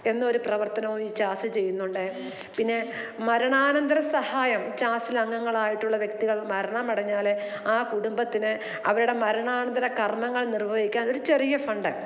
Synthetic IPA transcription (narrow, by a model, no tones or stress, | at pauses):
e̞nːɐo̞ɾuprɐʋɐrt̪ɐnɐmumiːt͡ɕaːsɨt͡ɕe̞jːunːuɳɖɨ | pinːe̞ | mɐɾɐɳaːnɐnd̪ɐɾɐsɐhaːjɐmt͡ɕaːsilɐŋːɐŋːɐɭaːjiʈːuɭːɐʋjekt̪iɣɐɭmɐɾɐɳɐmɐɽɐɲːaːle | aːkuɽumbɐt̪ːinɨ | ɐʋɐɾuɽe̞mɐɾɐɳaːnɐnd̪ɐɾɐkɐrmɐŋːɐɭnirbʱɐbikʲːaːno̞ɾut͡ɕe̞rijɐfɐɳɖɨ